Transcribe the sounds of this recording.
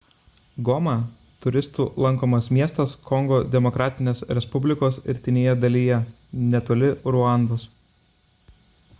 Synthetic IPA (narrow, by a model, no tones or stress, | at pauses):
ɡɔmɑ | t̪ʊɾʲɪst̪uːlˠɐŋˑkoːmɐsmʲiɛst̪ɐskɔŋɡoːd̪ʲɛmɔkɾɑːt̪ʲɪnʲeːsɾʲɛspʊbʲlʲɪkoːsɪ̰ɾʲt̪ʲɪnʲeːjɛd̪ɐlʲijɛ | nʲɛt̪oːlʲɪɾʊɑˑnd̪oːs